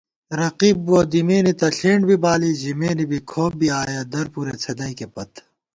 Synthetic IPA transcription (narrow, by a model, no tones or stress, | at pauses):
ɾɐqiːbːoːd̪imeːnit̪ɐɬeːɳɖbʱibaːliʑimeːnibʱikʰoːb̚biaːjad̪ɐɾpuːɾet͡sʰɐd̪ɐikepɐt̪